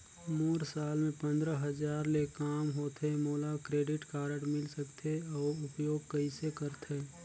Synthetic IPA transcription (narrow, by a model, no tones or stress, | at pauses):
moːɾsaːlmẽpə̃nd̪ɾəɦəd͡ʒaːɾlekaːmɦoːt̪emoːlakɾeːɖɪʈkaːɾəɽmɪlsəkt̪ʰeɔːʊpjoːɡ̚kəisekəɾt̪ʰe